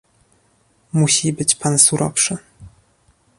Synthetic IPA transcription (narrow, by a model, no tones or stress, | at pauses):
muɕibɘt͡ɕpansuɾʔɔ̰fʂɘ